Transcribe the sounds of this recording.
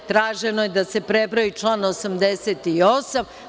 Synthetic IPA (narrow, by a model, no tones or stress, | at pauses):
t̪ɾaːʒenojed̪ase̞pɾebɾajit͡ʂlˠaːnosamd̪eset̪iosam